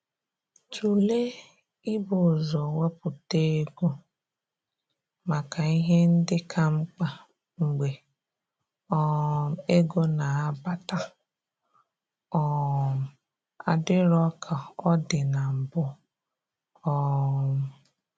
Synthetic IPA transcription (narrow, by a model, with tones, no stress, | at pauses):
t͡ʃu˨le˦ | ɪ˦bʊ˨zɔ˨we˦pʊ˨te˦ɡo˦ | ma˨ka˨i˦ɦe˦n̩˦dɪ˦kʰa˦ŋ͡m̩˦k͡pa˨ | ŋ͡m̩˨ɡ͡be˨ | ɔ˦˨e˦ɡo˦na˨a˦ba˦ta˦ | ɔ˦m̩˨ | a˦˨dɪ˦ɾɔ˦kʰa˨ɔ˦dɪ˨na˨m̩˨bʊ˦ | ɔ˦˨